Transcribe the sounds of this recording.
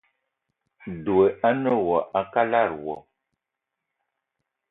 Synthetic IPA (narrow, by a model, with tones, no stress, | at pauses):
du˨e˨ʔa˦nə˦˨wɔ˨ʔa˨ka˦la˦˨ɾwɔ̰˨